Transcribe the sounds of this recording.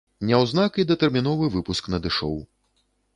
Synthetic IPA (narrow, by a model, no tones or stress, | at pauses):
nʲɛwznakid̪ɐt̪ɛrmʲinɔvɨvɨpusknɐd̪ɨʂɔ̰w